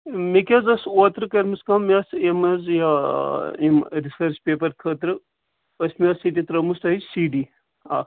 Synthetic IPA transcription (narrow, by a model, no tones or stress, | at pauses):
mekʲɐzɐsoːt̪ɾɨkɐɾmɨskɐmiɐsemɐzja | imɾisɐɾt͡ʃpeːp̬ɐɾkʰəːt̪ɾɨ | pɐsʲmiɐsit̪it̪ɾɐmust̪ɐɦisiːɖiː | a̰ː